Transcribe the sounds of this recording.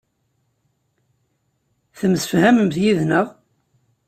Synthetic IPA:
θəmsə̥fhæməmθjiðnəʁ

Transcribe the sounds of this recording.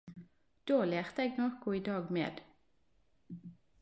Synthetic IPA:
d̪̥oːleːʁt̪əeːɡnɔʁkʊiːd̪ɑːɡmḛːd̪̥

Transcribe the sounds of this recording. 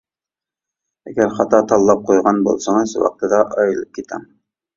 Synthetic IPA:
æɡæɾχɑt̪ɑt̪ɑlˠːɑp̚qujʁɑnbṵlˠsɑɴɤzwɑ̰q̚t̪ɤd̪ɑʔɑjɤ̆lˠɤp̚kit̪æ̰m

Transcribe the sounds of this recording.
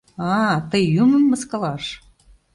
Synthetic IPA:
ɑt̪əjːumə̆mːəskɑlɑʃ

